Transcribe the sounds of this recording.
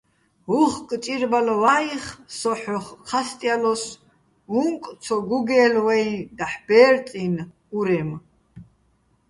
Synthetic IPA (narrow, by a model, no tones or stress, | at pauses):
ɦuχkʼt͡ʃʼiɾbalɔvaiχsɔħɔχqʰast̪ʼjalɔs | uŋk̪ʼt͡sʰɔɡuɡɛːlwɛjd̪aħb̥ɛːɾt̪ʼin | uɾɛm